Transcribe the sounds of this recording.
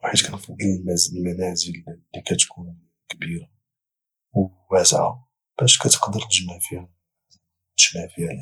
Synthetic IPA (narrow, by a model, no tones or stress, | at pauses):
waħəd̪kænfɑd̪ˤːilmæzmænæzəlːikæt̪kʰun | kbiɾa | w | wæsʕa̰ | b̥æʃkæt̪ə̥qd̪əɾʒnæfi | ʒnæfihæl